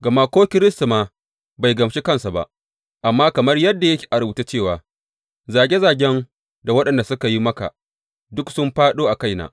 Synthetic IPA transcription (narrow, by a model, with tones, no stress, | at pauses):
ɡɐ˨ma˦kʷoː˦kʲɪ˦ɾɪ˦sta˨maː˨ | ba˨jɡɐ˨mʃe˦kɐ˦˨nsa˨ba̰˦ʔ | ʔa˨mːaː˦kɐ˨mɐ˦rjɐ˦dːa˨jɐ˦kʲi̥˨ʔa˨ɾʊ˦bu˨ta˦t͡ʃeː˦˨waː˨ | zaː˨ɡʲe˦zaː˨ɡʲɛ˦ŋ | da˨wɐ˦ɗɐ˨nda˨sʊ˦ka˨ji˦mɐ˦ka̰˨ | dʊ˦ksʊ˦mɸaː˦ɗoː˦ʔa˨ka˦˨jna̰ː˨˦